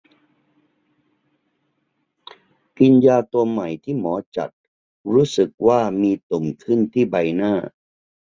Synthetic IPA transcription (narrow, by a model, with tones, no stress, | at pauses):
ki˧njaː˧t̪u˧əmːa˨˩jt̪ʰiː˥˩mɔː˩˦t͡ɕa̰˨˩t̪̚ | ɾuː˦˥sɯ˨˩k̚waː˥˩miː˧t̪o˨˩mkʰɯ˥˩nt̪ʰiː˥˩ba˧jnaː˥˩